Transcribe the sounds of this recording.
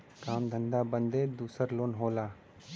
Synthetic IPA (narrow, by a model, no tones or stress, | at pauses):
kaːmd̪ʱə̃nd̪aːbə̃nd̪eːd̪uːsəɾloːnɦoːlaː